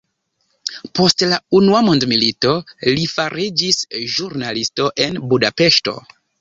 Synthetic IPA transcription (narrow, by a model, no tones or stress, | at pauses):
po̞stlaunuamondmilito̞lifaɾid͡ʒisʒuɾnalisto̞ʔe̞nbudape̞ʃto̞̰